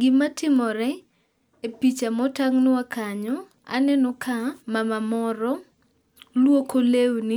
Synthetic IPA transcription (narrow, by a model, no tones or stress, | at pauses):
ɡɪmatɪmɔɾɛ | epit͡ʃamɔtaŋnʊakaɲɔ | a̰nɛnɔkamamamɔɾɔ | lwokolewni